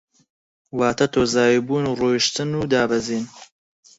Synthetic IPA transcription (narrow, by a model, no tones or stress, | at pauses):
waːt̪ɐt̪ʰoːzaːjibuːnuroːjiʃt̪ɨnuːd̪aːbɐziːn